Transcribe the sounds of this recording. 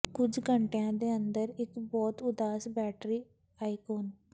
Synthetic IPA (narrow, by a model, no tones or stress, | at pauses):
kʊd͡ʒɡəɳʈejãːd̪eːənd̪əɾɪkbɔːt̪ʊd̪aːsbɛːʈɾiː | aːikoːn